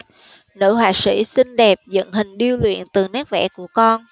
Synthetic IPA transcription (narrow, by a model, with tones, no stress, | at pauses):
nɨ̰˧˥ɦwaː˨˩sḭ˧˥sï˧ŋ̟ɗɛ˨˩p̚zə̰˧˨nɦï˨˩ŋ̟ɗi˧əwlwḭ˧˨ənt̪ɨ˨˩naː˦˥k̚vɛ̰˧˥ku˧˩əkɔ˧n